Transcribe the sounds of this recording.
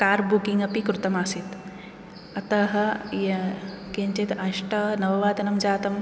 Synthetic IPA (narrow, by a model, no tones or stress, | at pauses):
kaːɾbukiŋɡɐpikɾut̪ɐmaːsit̪ | ɐt̪ɐɦɐjɐkeɲt͡ʃet̪ɐʃʈɐnɐʋɐʋaːd̪ɐnɐmd͡ʒaːt̪ɐm